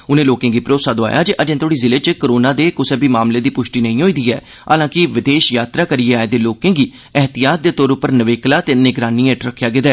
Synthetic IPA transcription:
ʊnẽːloːkẽːɡiːpɾoːsaːd̪oa̰ːja̰ːd͡ʒeʔəd͡ʒẽːt̪ʰoːɽiːzɪleːt͡ʃkəɾoːnãːd̪eːkʊseːbʱiːmaːmleːd̪iːpʊʃʈiːnəĩːɦoːiːd̪iːɛ̰ː | ɦa̰ːlãːkɪʋɪd̪eːʃjaːt̪ɾaːkəɾieːaːeːd̪eːloːkẽːɡiː | ɛɦt̪ɪjaːt̪̚d̪eːt̪oːɾʊpːəɾnəʋeːklaːt̪eːnɪɡɾaːniẽːʈɾəkʰːjaːɡɪd̪ɛː

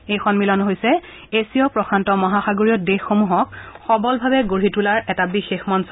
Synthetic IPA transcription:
ejxɔnmilɔnɦojsɛ | esiɔpɹɔkʰɹantɔmɔɦaxaɡoɹijɔdexːomuɦɔk̚xɔbɔlbʱabɛɡoɹitulaɹɛtabixexmansɔ

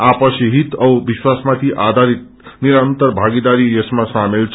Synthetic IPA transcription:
apʌsiɦit̪ʌwbiswasmat̪ʰiʔad̪ʱaɾit̪̚ | niɾant̪əɾbʱaɡid̪aɾiesmãsamelt͡sʰ

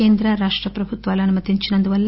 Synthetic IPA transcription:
eːnd̪ɾɐɾaːʂʈɾɐpɾɐbʱut̪ʋaːlɐnumɐt̪iɲt͡ʃinɐnd̪uʋɐlː

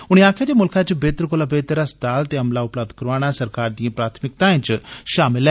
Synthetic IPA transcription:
ʊɽ̃iaːkʰjad̪emʊlkʰat͡ʃbeːt̪ɾkoːlabeːt̪ɾasd̪aːlt̪eɐmlaʊpləb̚d̪kəɾʋaːɽ̃asɐɾkaːɾd̪ĩãpɾaːt̪ʰmɪk̚t̪ãẽt͡ʃʃaːmɪl

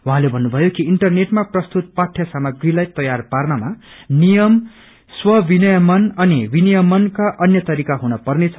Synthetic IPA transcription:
wuɦãlebʱʌnːubʱʌjokiiɳʈʌrneʈmaprʌst̪ut̪̚paʈʰjasamʌɡrilajt̪ʌjarparnʌmanijʌm | swʌbinʌjʌmʌnʌnibinijʌmʌnkaʔʌnjʌt̪ʌɾikaɦunʌpʌrnet͡sʰʌ

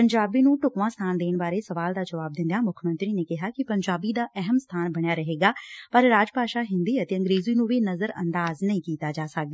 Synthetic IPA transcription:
pəɲd͡ʒaːbinũːʈʊkʋãːst̪ʰaːnd̪eːnbaːɾesɐʋaːld̪aːd͡ʒɐʋaːb̚d̪ɪ̃nd̪jaːmʊkʰəmə̃nt̪ɾinekɪɦaːkipɐɲd͡ʒaːbid̪aːʔɛɦəmst̪ʰaːnbɐɽ̃jaːɾɐɦeːɡaːpɐɾɾaːd͡ʒpaːʃaːɦɪ̃nd̪iːət̪eə̃ŋɡɾeːziːnũːʋinɐzəɾɐ̰̃nd̪aːznəɐĩːkiːt̪aːd͡ʒaːsɐk̚d̪aː

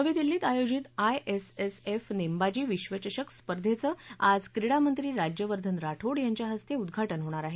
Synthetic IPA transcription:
əʋiːd̪ilːiːt̪ajod͡ʑit̪ajʔesesefnembad͡ʑiːʋiɕʋət͡ɕəɕəkspəɾd̪ʱet͡səad͡zkɾiɽamənt̪ɾiːɾad͡ʑjəʋəɾd̪ʱənɾaʈʰoɽjaɲt͡ɕjaɦəst̪eud̪ɡʱaʈənɦoɽ̃aɾaɦe

